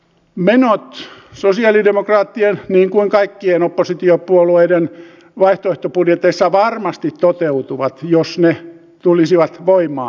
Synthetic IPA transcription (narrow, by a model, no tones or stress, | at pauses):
menot̪sosiɑlidemokrɑːt̪ːienniːŋkuiŋkɑikːienopːosit̪iopuolueiden | ʋɑiht̪oeht̪opudjet̪ːeisːɑʋɑrmɑst̪it̪tːot̪eut̪uʋɑt̪josne | t̪ulisiʋɑt̪ʋoimɑ̰ː